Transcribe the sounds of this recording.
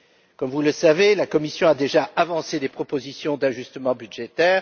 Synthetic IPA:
kɔmvuləsavelakɔmisjɔ̃ad̪eʒaʔavɑ̃sed̪epχɔpozisjɔ̃d̪aʒyst̪əmɑ̃byd̪ʒet̪ɛːʁ

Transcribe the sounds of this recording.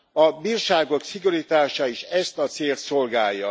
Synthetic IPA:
ɒbiːrʃaːɡo̞ksiɡuɾit̪aːʃɒiʃɛst̪ɒt̪seːlt̪so̞lɡaːjːɒ̰

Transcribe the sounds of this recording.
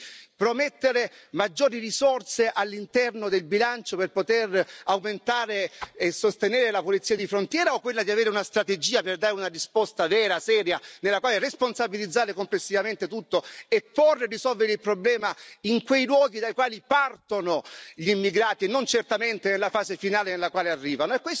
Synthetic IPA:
pɾomet̪ːeɾemad͡ʒːoːɾirisort̪seʔalːint̪ɛrnod̪elbilant͡ʃoperpot̪erawment̪aːɾeːsːost̪enɛːɾelapolit̪siːad̪ifɾont̪jɛːɾaokːwelːad̪iaveːɾeunast̪ɾat̪ed͡ʒiːaperd̪aːɾeunarispɔst̪avɛːɾasɛːɾjanelːakwaːleresponsabilid̪zːaːɾekomplesːivament̪et̪ut̪ːoepːorːerisɔlveɾeilpɾoblɛːmaiŋkwejlwɔːɡid̪ajkwaːlipart̪onoʎimːiɡɾaːt̪inːont͡ʃert̪ament̪enelːafaːzefinaːlenelːakwaːlearːiːvanoekːwes

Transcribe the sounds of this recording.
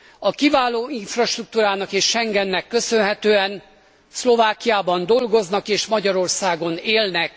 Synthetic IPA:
ɒkivaːloːiɱfrɒʃt̪ruk̚t̪uːɾaːnɒkeːʃʃɛŋɡɛnːɛkːø̞sø̞nɦɛt̪øːɛn | slo̞vaːkijaːbɒnd̪o̞lɡo̞znɒkeːʃmɒɟɒɾo̞rsaːɡo̞neːlnɛk

